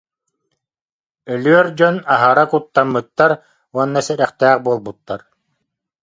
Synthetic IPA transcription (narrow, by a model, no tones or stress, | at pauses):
œlyœɾd͡ʑɔnaɦaɾakut̪ːamːɯt̪ːaɾ | uɔnːasɛɾɛχt̪ɛːχbuɔlˠbut̪ːaɾ